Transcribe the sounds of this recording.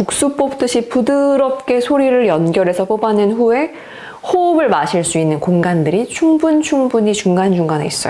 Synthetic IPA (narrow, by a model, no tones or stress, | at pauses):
puk̚s͈up͈ʌp̚t͈ɯɕʰipudɯɾʌp̚k͈e̞sʰoɾiɾɯɾjʌnɡjʌɾe̞sʰʌp͈obanɯnɸue̞ | hobɯɭmaɕʰiɭs͈uinːɯnkoŋɡandɯɾit͡ɕʰuŋbunt͡ɕʰuŋbuɲit͡ɕuŋɡand͡ʑuŋɡanḛis͈ʌjo